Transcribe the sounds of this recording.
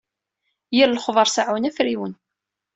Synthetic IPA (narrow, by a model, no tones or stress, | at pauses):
jiɾləχðˤəɾˤsaʕwənæfɾiwən